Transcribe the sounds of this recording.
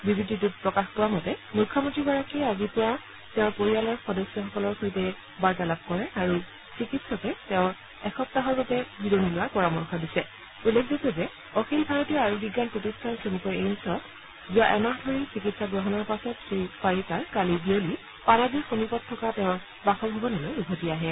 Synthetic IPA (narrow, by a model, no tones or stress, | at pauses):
bibiditut̚pɹɔkaxpʊwamɔtɛmujkʰːɔmontɹiɡɔɹakiazipʊwa | tɛʊ̃ɹpoɹialɔɹxɔdɔsjɔxɔkɔlɔɹxojtɛ | baɹtalab̚kɔɹɛaɹu | sikitsɔkɛtɛʊ̃ɹ | ɛxɔp̚taɦɔɹbɔtɛbidonilʊwaɹpɔɹamɔɹxʰɔdisɛ | ulːekʰzakɔzɛ | ɔxilbʱaɹɔtiaɹubʱiɡːanpɹotistʰansenikɔjensɔt | zuaʔɛmaɦdʱoɹisik̬itsaɡɹɔɦɔnɔɹpasɔtsɹifaɹikaɹkalibioli | panazixomipɔtʰːɔkatɛ̃ʊ̃ɹ | baxɔbʱɔbɔnɛlojuɡʱotiaɦɛ